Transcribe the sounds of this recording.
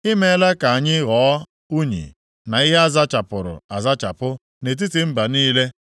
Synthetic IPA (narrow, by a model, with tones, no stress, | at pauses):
i˦me˦la˦ka˨a˨ɲɪ˦ɣɔː˨˦ | u˦ɲḭ˨ | na˨i˦ɦe˦a˦za˦t͡ʃa˨pʊ˨ɾʊ̰˨a˨za˦t͡ʃa̰˨pʊ˦ | ne˨t̬i˦ti˨m̩˦ba˨niː˦le˦